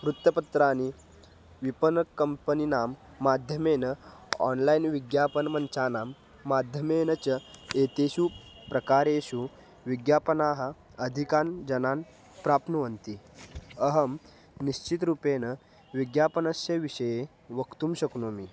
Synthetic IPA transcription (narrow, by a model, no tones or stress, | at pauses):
ʋɾut̪ːjəpɐt̪ɾani | ʋipənəkəmpəninamː | ad̪ʱjəmenəɔ̰nlainʋiɡjapənmənt͡ɕanamː | ad̪ʱjəmenət͡ɕəet̪eɕuː | pɾəkaɾeɕu | ʋiɡjapənaɦə | əd̪ʱikand͡ʑɐnan | pɾapnuʋənt̪iəɦəm | niɕt͡ɕit̪ɾupenə | ʋiɡjapənəsjəʋiɕəje | ʋəkt̪uːmɕəknomiː